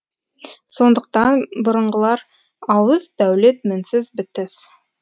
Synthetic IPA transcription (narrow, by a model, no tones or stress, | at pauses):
so̞nd̪əq̚t̪ɑnbʊɾəɴʁəlˠɑɾ | ɑwəzd̪æwlet̪mɪnsɪzbɪt̪ɪz̥